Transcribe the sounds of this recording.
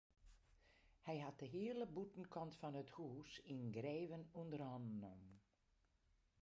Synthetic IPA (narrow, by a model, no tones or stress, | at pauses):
hɛjɦat̚dəɦiələbutn̩kʰɔntfɔnəthuːsinɡreːʋənundərɔndnɔmn